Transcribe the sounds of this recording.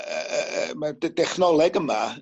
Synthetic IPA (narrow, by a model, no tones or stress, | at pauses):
madɛχnɔlˠɛɡəma